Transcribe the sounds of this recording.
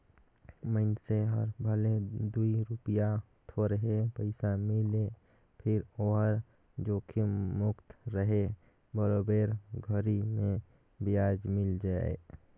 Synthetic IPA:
məɪnseɦɔɾbʱəled̪uiɾʊpija | t̪ʰoɾəɦepəɪsamɪle | pʰɪɾoːɦəɾ | d͡ʒoːkʰimʊkt̪ɾəɦe | bəɾobeːɾɡʱəɾimẽ | bɪjaːd͡ʒmɪld͡ʒaḛ

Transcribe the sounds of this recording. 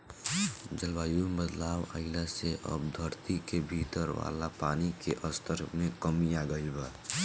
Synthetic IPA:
d͡ʒəlʋaːjubəd̪laːwə̰ɪlaseʔə̰bd̪ʱəɾt̪ikebʱiːt̪əɾʋa̰ːlapaːnikeʔəst̪əɾmẽkəmijaɡəɪlba

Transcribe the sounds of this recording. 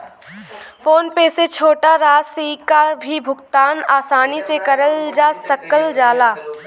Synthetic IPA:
foːnpeːset͡ʃʰoːʈaɾaːsikabʱibʱʊɡt̪aːnaːsaːnisekɐɾəld͡ʒaːsɐkəld͡ʒaːlaː

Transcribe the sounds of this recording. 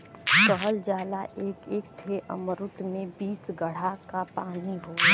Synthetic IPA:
kəɦəld͡ʒaːlaʔeːkeːk̚ʈ̪ʰeʔə̰məɾʊt̪mẽbiːsɡəɽ̤akapaːniɦoː

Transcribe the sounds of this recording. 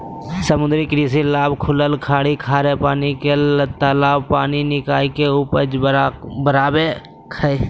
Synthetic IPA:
səmʊ̃nd̪ɾikɾiːs̬ilaːbkʰʊləlkʰaːɽikʰaːɾepaːniket̪aːlaːbpaːninɪkaːikeuːpəd͡ʒbəɾaːbe | kʰəe

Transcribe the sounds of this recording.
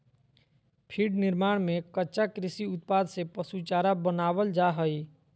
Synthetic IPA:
pʰiɖnɪɾmaːɽ̃mẽkətːʃakɾɪsiʊt̪̚paːd̪sepəsut͡ʃaːɾabənaːʋəld͡ʒaɦəi

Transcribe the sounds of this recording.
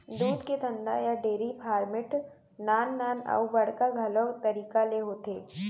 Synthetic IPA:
d̪uːd̪ked̪ʰʱɐ̃nd̪a̰jaɖeːɾipʰaːɾmɪʈ | naːnːaːnɐ̰ubɐɽkaɡʱɐlot̪ɐɾiːkaleɦoːt̪eː

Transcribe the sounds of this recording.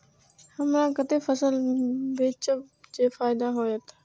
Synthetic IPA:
hɐmɾãːkət̪efəsəlbeːt͡ɕəd͡ʑeːfaːɪd̪aɦoːjət̪ʰ

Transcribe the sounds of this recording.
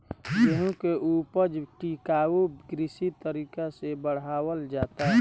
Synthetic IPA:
jeɦũkeʔupəd͡ʒʈikaːuɡɾɪsit̪əɾiːkasebəɽ̤aːwəld͡ʒaːt̪aɦ

